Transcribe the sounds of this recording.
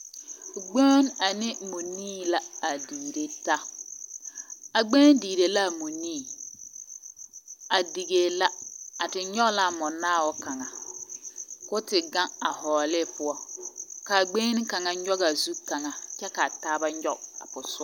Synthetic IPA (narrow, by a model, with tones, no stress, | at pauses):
ɡ͡bo˦na˨nɪ˦mu˨niː˦la˦a˨diː˨ɾe˦ta˦ | a˨ɡ͡beː˦n˦diː˨ɾe˨la˦˨mu˨niː˦˨ | a˨di˨ɡe˨la˦a˨tɪ˨ɲɔ˦ɣla˦˨mʊ˨naː˦˨wɔ˦ka˨ŋa˨ | kʊ˦tɪ˨ɡa˦ŋa˨hɔː˨lɪ˦pʊ˦ɔ˦ka˨ɡ͡beː˦n˦ka˨ŋa˨˦ɔ˦ɣa˨zu˦ka˨ŋa˨t͡ʃɛ˦ka˨taː˦ba˦ɲɔ˦a̰˨pʊ˨sʊ˦